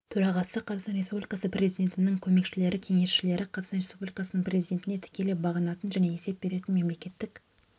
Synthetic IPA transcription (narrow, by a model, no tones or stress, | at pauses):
t̪ʰɵɾɑʁɑsəqʰɑzɑqsɑnɾe̞spublʲijkɑsəprʲe̞zijd̪ʲe̞nt̪ɪnɪŋkʲʰɵme̞kʃɪle̞ɾɪkʲʰe̞ŋe̞sʃɪle̞ɾɪqʰɑzɑqsɑnɾʲe̞spublʲijkɑsənəɴprʲe̞zijd̪ʲe̞nt̪ɪnet̪ʰɪ̥kʲe̞lebɑʁənɑt̪ənʒæne̞e̞se̞p̚b̥e̞ɾe̞t̪ɪnme̞mle̞kʲe̞t̪ːɪk